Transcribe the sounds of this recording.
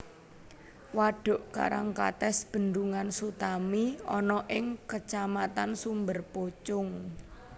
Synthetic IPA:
waɖ̥ɔ̤ʔka̰ɾaŋka̰t̪ɛsb̥ə̤nd̪uŋansut̪amiɔnɔʔɪŋkət͡ʃamat̪ansumbərpot͡ʃʊŋ

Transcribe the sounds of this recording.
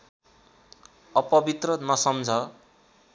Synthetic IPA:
ʌpʌbit̪rʌnʌsʌmd͡zʱʌ

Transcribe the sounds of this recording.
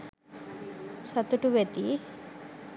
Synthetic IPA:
sɐt̪uʈuʋet̪i

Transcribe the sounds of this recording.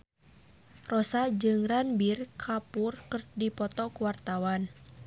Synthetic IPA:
rɔsad͡ʒɨŋranbirkʰapurkɨrdipɔt̪ɔkuwart̪awan

